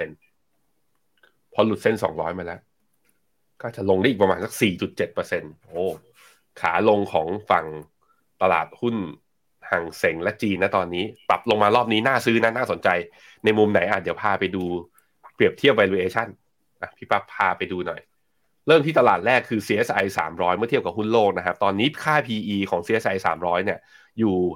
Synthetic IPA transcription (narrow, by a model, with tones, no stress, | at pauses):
e˧n | pʰɔ˧lu˨˩t̪̚se˥˩nsɔ̰ː˩˦ŋɾɔː˦˥jmaː˧lɛ˦˥ʔ | kɔː˥˩t͡ɕa˨˩lo˧ŋda˥˩˨i˨˩pmaː˧nsa˨˩k̚siː˨˩t͡ɕu˨˩t̪̚t͡ɕe˨˩t̪̚pɤː˧se˧nʔoː˧˩ | kʰa̰ː˩˦lo˧ŋkʰɔː˩˦ŋfa˨˩ŋ | t̪a˧la̰ː˨˩t̪̚hu˥˩n | ha˨˩ŋse˩˦ŋlɛ˦˥ʔt͡ɕiː˧nːa˦˥t̪ɔː˧nːiː˦˥pa̰˨˩p̚lo˧ŋmaː˧ɾɔː˥˩p̚niː˦˥naː˥˩sɯː˦˥na˦˥naː˥˩so˩˦nt͡ɕa˧j | na˧jmu˧mna˨˩˦jʔaː˨˩t̪̚di˩˦wpʰaː˧pa˧jduː˧ | pɾi˨˩əp̚t̪ʰi˥˩əp̚wa˧luː˧ʔeː˧t͡ɕʰa˥˩n | ʔa˧˩pʰiː˦˥˩pa˦˥pʰːaː˧pa˧jduː˧nɔ˨˩j | ɾɤː˥˩mt̪ʰiː˥˩t̪a˧laː˨˩t̪̚lɛː˥˩kʰːɯː˧siː˧ʔe˦˥sʔa˧jsa̰ː˩˦mɾɔː˦˥jmɯ˥˩t̪i˥˩əpka˨˩hu˥˩nloː˥˩k̚na˦˥kʰa˦˥p̚t̪ɔː˧nːiː˦˥kʰaː˥˩pʰiː˧ʔiː˧kʰɔː˩˦ŋsiː˧˥ʔe˦˥sʔa˧jsa̰ː˩˦mɾɔː˦˥jni˥˩ɐ | juː˨˩